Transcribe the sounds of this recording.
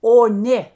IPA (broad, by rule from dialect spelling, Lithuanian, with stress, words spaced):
oː ˈnʲeː